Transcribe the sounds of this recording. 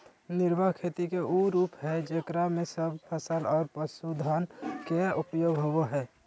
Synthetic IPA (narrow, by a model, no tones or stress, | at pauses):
nɪɾbəɦkʰeːt̪ikeʔuɾuːpɦɛd͡ʒekɾamẽsəb̚ʱpʰəsəlɔːɾpəsud̪ʱaːnkeʊpəjoːɡɦoʋoɦɛː